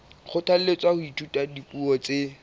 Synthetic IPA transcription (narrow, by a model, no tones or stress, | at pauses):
χʊtʰal̩let͡sʼahʊitʰutʼadipʼuɔt͡se